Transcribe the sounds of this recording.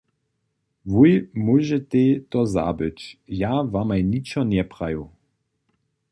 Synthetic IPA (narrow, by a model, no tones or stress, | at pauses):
vujmuʒɛt̪et̪ɔza̰bɨt͡ʃjavamajnʲit͡ʃɔnʲɛpʁaju